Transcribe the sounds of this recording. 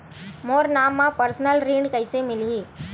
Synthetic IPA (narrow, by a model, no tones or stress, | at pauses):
moːɾnaːmːãpəɾsnəlɾiːɳɖkəɪsemɪliː